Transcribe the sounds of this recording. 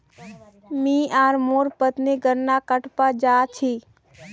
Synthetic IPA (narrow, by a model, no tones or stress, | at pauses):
mĩːaːɾmoːɾpət̪neɡəɾnakəʈpad͡ʒaːt͡ʃʰiː